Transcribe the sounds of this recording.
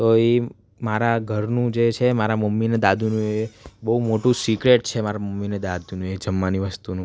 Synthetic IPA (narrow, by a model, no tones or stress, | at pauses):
t̪oe | maɾaɡʱəɾnũd͡ʒet͡ʃʰemaɾaməmːined̪ad̪ʱunũebəɦumoʈũsikɾeʈ̚t͡ʃʰemaɾaməmːined̪ad̪ʱunũed͡ʒəmːaniʋəst̪unũ